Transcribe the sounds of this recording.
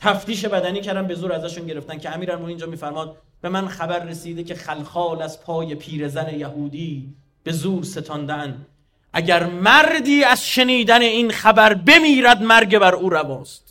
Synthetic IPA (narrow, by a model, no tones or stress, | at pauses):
t̪ʰæft̪iːʃ̬e̞bæd̪æniːcʰæɾd̪æmbe̞zuːɾæzæʃunɟe̞ɾeft̪æncʲʰeæmiːɾælmoniːnd͡ʒɒːmiːfæɾmɒːd̪̚ | b̥e̞mænχæbæɾːesiːd̪e̞cʰe̞χælxɒːlæz̥pʰɒːje̞pʰiːɾe̞zæle̞jæhuːd̪iː | b̥e̞zuːɾse̞t̪ʰɒnd̪eænd̪ | ʔæɟæɾmæɾd̪iːæz̥ʃe̞niːd̪æne̞iːnχæbæɾbe̞miːɾæd̪mæɾɟe̞bæɾuːɾæbɒːst̪